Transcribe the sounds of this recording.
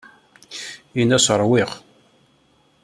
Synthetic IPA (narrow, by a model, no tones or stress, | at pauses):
inæsəɾˤwɪʁ